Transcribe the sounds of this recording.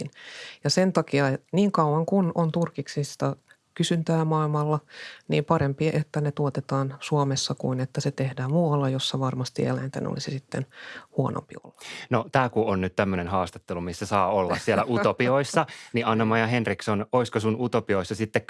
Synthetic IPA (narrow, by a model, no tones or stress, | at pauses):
njɑsent̪ɑkiɑniːŋkɑuwɑŋkunont̪urkiksist̪ɑ | kysynt̪æːmɑilmɑlːɑnḭːmpɑɾempieʔet̪ːænet̪uot̪et̪ɑːnsuomesːɑkuinet̪ːæset̪ehdæːmmuwɑlːɑjosːɑʋɑrmɑst̪ḭḛlæint̪ḛn̰o̰lisisit̪ːḛnhuono̰mpio̰lːɑ̥not̪æːkuonnyt̪t̪æmːønenhɑːst̪ɑ̥t̪ːelumisːæsɑːolːɑ̰ssielæʔuopioisːɑniɑnːɑmɑjɑhenriksonoiskosunut̪opioisːɑsit̪ːek